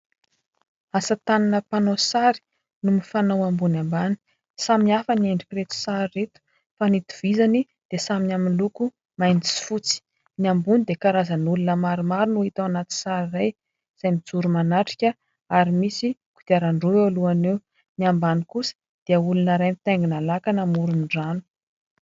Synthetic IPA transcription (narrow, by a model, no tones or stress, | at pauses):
asət̪aninəpanosaɾi̥ | numifanawambunambani̥ | saminiafənieɳɖ͡ʐikiɾet̪u̥saɾiːet̪u̥ | fanit̪u̥vizani | d̪̥esaminaminluku | majnt͡si̥fut͡si̥ | niambunid̪ekaɾazənulunəmaɾimaɾinuhit̪aanat̪i̥saɾiraj | z̥ajmid͡zuɾumanaʈ͡ʂi̥kʲə | aɾimisiku̥t̪iaɾaɳɖ͡ʐoealuanew | niambanikusə̥ | d̪̥iəulunəɾajmit̪ajŋɡinalakanamuɾuniɖ͡ʐanu̥